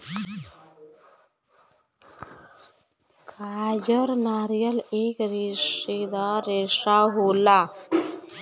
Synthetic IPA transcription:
kaːd͡ʒəɾnaːɾijəlekɾeʂed̪aɾeʂaɦola

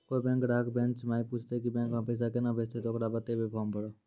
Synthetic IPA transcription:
koːibɛ̃ːŋkɾaːkbɛ̃nt͡ʃmaːipuːt͡ʃʰt̪ekibɛ̃ːŋkɦapeːs̬akenabʱest̪ed̪oːkɾabət̪ebʱipʰɔːmbəɽoː

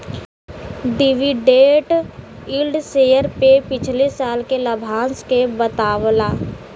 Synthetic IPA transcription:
ɖɪʋiɖeːʈ | ilɖseːjəɾpepɪt͡ʃʰlesaːlkeləbʱaːnskebət̪aːwlaː

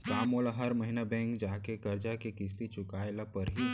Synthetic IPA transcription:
kaːmoːlaɦɐɾməɦinabɛ̃ːŋkd͡ʒaːkekɐɾd͡ʒakekɪst̪it͡ʃʊkaːjlapɐɾɦi

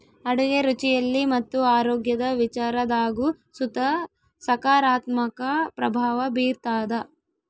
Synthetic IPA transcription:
ɐɽɐɡeɾut͡ʃijɐlːimɐt̪ːuaːɾoːɡjɐd̪ɐʋit͡ʃaːɾɐd̪aːɡu | sut̪ɐ | sɐkaːɾaːt̪mɐkɐpɾɐbʱaːʋɐbiːɾt̪aːd̪ɐ

